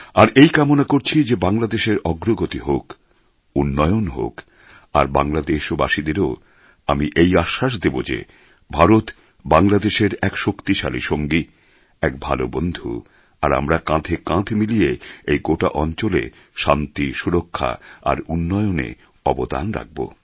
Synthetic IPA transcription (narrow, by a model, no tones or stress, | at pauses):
aɾejkamonakoɾt͡ɕʰid͡ʑebaŋlad̪eʃeɾɔɡɾoɡot̪iɦok | unːɔjonɦo̰k | a̰ɾbaŋlad̪eʃobaʃid̪eɾo | amiʔejaʃːaʃ̬d̪ebod͡ʑḛ | bʱaɾot̪ | baŋlad̪eʃeɾɛkʃokt̪iʃalḭʃoŋɡi | ɛk̚bʱalobond̪ʱu | aɾa̰mɾakãt̪ʰekãt̪ʰemilijeejɡoʈa̰ʔɔnt͡ɕolḛ | ʃant̪iʃuɾokʰːa̰a̰ɾunːɔjonḛ | ɔbod̪a̰nɾa̰k̚bo̰